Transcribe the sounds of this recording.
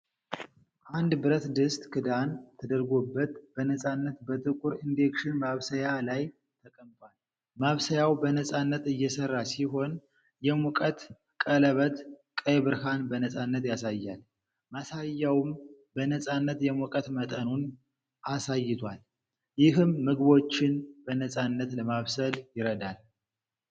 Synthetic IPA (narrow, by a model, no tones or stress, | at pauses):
ʔand̪bɨɾət̪d̪ɨst̪ʼkʰɨd̪ant̪ʰəd̪əɾɡobːət̪b̥ənəsʼanːət̪bət̪ʼɨkʼuɾind̪e̞kʃɪnmaβsəjalaj | t̪ʰəkʼəmt̪ʼwal | maβsəjawbənəsʼanːət̪ɨjːɛsərːasiɦo̞n | jɛmɔkʼət̪ | kʼələβət̪kʼəjβɨɾhanbənəsʼanːət̪jasajːal | masajːawɨmbənəsʼanːət̪jɛmɔkʼət̪mət̪ʼənun | ʔasajːɪt̪ʰwal | jɪɦɨmːɨɡβo̞t͡ʃːɪnbənəsʼanːət̪ləmaβsəljɪɾəd̪al